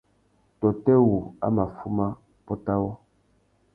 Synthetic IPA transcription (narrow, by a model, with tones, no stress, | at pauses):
tɔ˨tɛ˦wu˨a̰˦ma˨fu˦ma˦ | pɔ˦ta˦wɔ˦